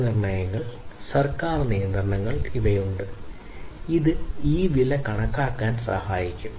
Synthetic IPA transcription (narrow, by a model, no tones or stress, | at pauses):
nirɳɐjɐŋːɐɭsɐrkaːrnijːɐnd̪rɐɳɐŋːɐɭiʋɐjuɳɖɨ | iðɨiːʋilɐkɐɳɐkːaːkːaːnsɐ̰haːjikʲːum